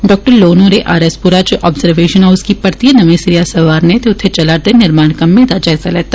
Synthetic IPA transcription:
ɖɔːk̚ʈəɾloːnõɾeʔaːɾespuɾat͡ʃoʔɔːbzəɾʋeːʃə̃naʊʊskipɐɾt̪ijənɐʋẽsɾijasɐʋaːɾnẽt̪eʊt̪ʰːet͡ʃɐlaɾd̪enɪɾmaːnkɐmːẽd̪ad͡ʒɐɪzalɛːt̪a

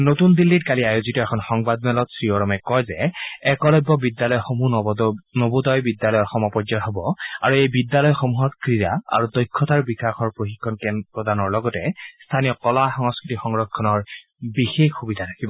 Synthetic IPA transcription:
notundilːitkaliajozitɔɛkʰɔnxɔŋbad̚mɛlɔtsɹiɔɹɔmɛkɔjzɛɛkɔlɔjbːɔbidjalɔjxomunobodɔjbidjalɔjɔxɔmɔpɔzɔtɦɔbɔaɹuejbidjalɔjɔxomuɦɔtkɹiɹaa̰ɹudɔjkʰːɔtaɹbixaxɔɹpɹoxikʰːɔnkɛnpɹɔdanɔɹlɔɡɔtɛst̪ʰanijɔkɔlaxɔŋɔskɹitixɔŋɹɔkʰːɔnɔɹ | bixexxubidʱatʰakibɔ

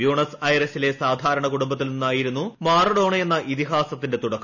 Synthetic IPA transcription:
juːɳɐsɐjresile̞saːd̪ʱaːɾɐɳɐkuɽumbɐt̪ːilninːaːjiɾunːumaːrɐɽo̞ːɳɐjenːɐʔit̪iɦaːsɐt̪ːinde̞t̪uɽɐkːɐ

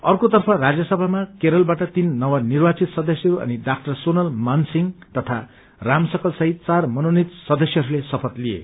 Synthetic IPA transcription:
ʌrkot̪ʌrpʰʌrad͡zjʌsʌbʱamakeɾʌlbaʈʌt̪inːʌwanirbat͡sit̪sʌd̪ʌsjʌɾuʌ̰niɖakʈʌrsonʌlmansiŋt̪ʌt̪ʰa | ramsʌkʌlsʌɦit̪̚t͡sarmʌnonit̪sʌd̪ʌsjʌɾulesʌpʰʌt̪liḛ

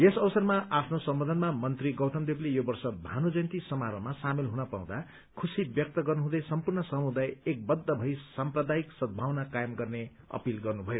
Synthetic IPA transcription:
esʌbʌsʌrmaʔapʰnosʌmbʌd̪ʱʌnmamʌnt̪riɡʌwt̪ʰʌmd̪eplejobʌrsʌbʱanud͡zʌjnt̪isʌmaɾʌmasamilɦunʌpaw̃d̪a | kʰusibjʌk̚t̪ʌɡʌrnuɦũd̪ʌjsʌmpurnʌsʌmud̪ajek̚bʌd̪ʱːʌbʱʌisamprʌd̪aiksʌd̪̚bʱawnakajʌmɡʌrne | ʌ̰pilɡʌrnubʱʌjo

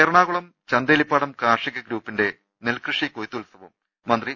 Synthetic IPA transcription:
eːɾɐɳaːɣuɭɐm | t͡ɕɐnd̪eːlipːaːɽɐmkaːʂiɣɐɡɾuːpːinde̞ | nelkrɨʂikojt̪ːuːlsɐʋɐm | mːɐnd̪ri

